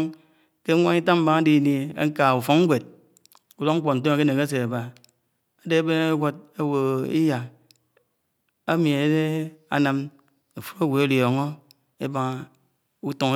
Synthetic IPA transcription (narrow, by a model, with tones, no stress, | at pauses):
ke˦ŋʷa˦ŋi˦ta˦m̩˦ba˦ŋa˦di˦˨ni˦ḛ˦ŋ̩˦ka˨u˨fo˨˦ŋŋ˦ɡʷe˨t̚ | u˨lo˦ŋ̩˦k͡po˨n̩˨t̬o˦a˨ke˦ne˨ke˦s̬e˨ba˨ | a˨de˦a˦be˦ne˦ɡʷo˦t̚e˦wo˨ḭ˦ja˨ | a˦mi˨e˨˦de˦a̰˨na˦m | u˨fo˦ɾe˦ɡʷe˨e˦ljo˨ŋo˦ | e˦ba˦ŋ˨ | u˦to˨ŋ˦